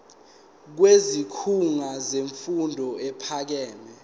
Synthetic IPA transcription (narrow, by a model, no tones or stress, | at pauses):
k̬wezikʰuŋazeɱfundʱɔɛpʰak̬ɛːmɛ